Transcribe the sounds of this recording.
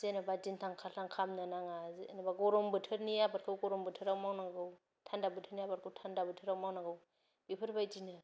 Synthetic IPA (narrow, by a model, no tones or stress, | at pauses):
zenabad͡ʒintʰaŋkʰaltʰaŋkʰamnanaŋaznabaɡɔɾɔmbɯtʰɯɾnijabaɾkʰɯwɡɔɾɔmbɯtʰɯɾawmawnaɡɯw | tʰandabɯtʰɯɾnijabaɾkʰɯwtʰandabɯtʰɯɾawmawnaɡɯw | bipʰɯɾbajd͡ʒinɯ